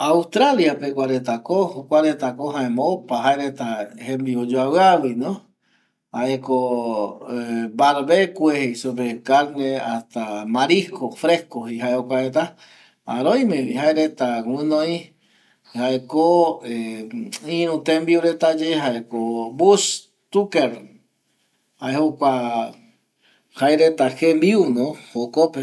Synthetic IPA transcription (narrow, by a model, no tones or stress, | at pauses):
aust̪ɾaljapekʷaɾet̪akohokʷaɾet̪akoɦãẽmoopaɦaeɾet̪ahẽmbiod͡ʒoawɨawinõ | haʔeko | baɾβekʷeheisopekaɾneast̪amaɾihkofɾehkoɦiɦaeokʷaɾet̪a | aɾõj̃mẽihaeɾet̪awɨ̃nõĩ | haekoe | ĩɾũt̪embiuɾet̪ad͡ʒeɦaekobus | t̪ukeɾ | haehokʷa | haeɾet̪axembiunõhokope